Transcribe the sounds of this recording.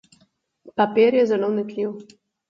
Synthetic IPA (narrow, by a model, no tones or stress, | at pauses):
papeɾjɛzɛlownɛt̪liw